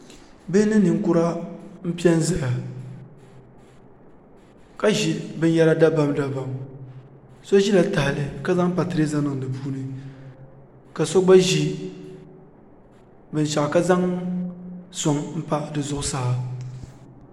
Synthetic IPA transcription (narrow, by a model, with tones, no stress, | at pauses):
be˦nɨ˦nɨ˨ŋ˦kʊ˦ɾa˦m̩˦pi˦ɛ˦n˦za˦ja˨ | ka˦ʒi˦bɨ˦n˦jɛ˦ɾa˦da˦ba˦mda˦ba˨m | so˦ʒi˦la˨ta˨hɪ˨lɨ˦ka˦za˦ŋ˦pa˨tɨ˨ɾe˦za˦nɨ˨ŋ˨dɨ˨buː˦nɨ˦ | ka˨so˦ɡ͡ba˦ʒi˦ | bɨ˨n˨ʃa˨ʔka˦za˦ŋ | sʊ˨ŋm̩˦pa˦dɨ˨zʊ˦ʔʊ˦sa˦ha˨